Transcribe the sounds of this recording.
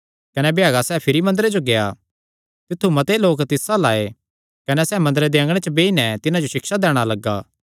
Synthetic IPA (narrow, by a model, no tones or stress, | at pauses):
kɐnɛbjaːɡasɛːpʰɪɾimɐ̃nd̪əɾed͡ʒoɡeja̰ | t̪ɪt̪ʰːumɐt̪eloːkt̪ɪsalaːe | kɐnɛsɛːmɐ̃nd̪ɾed̪eɐ̃ŋɡɽ̃et͡ʃəbeːinɛt̪ɪnad͡ʒoʃɪkʃad̪ɛːɽ̃alɐɡːaː